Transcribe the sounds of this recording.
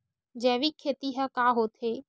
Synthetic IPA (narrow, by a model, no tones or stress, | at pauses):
d͡ʒɛːʋikʰːeːt̪iɦɛkaːɦoːt̪ɦeː